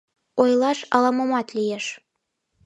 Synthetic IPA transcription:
ojlˠɑʃɑ̰lɑmomɑt̪lijeʃ

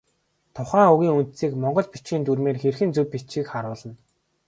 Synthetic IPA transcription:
t̪ʰʊχæːuɣʲiːŋun̥t̪siːkmɔɴɢɞ̆ɮpi̥t͡ɕiːnt̪urmeːrxerxɘ̆nt͡sɵpːit͡ɕiːkχaɾʊːɮə̆n

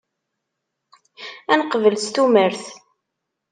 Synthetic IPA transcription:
ænəqvəlst̪uməɾθ

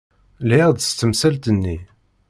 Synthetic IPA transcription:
lid̪ˤst̪ːəmsælt̪ənːi

